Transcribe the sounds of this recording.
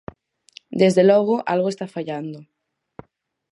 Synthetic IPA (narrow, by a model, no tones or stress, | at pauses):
d̪ezðelɔɣ̞oʔalɣoest̪afaʎand̪o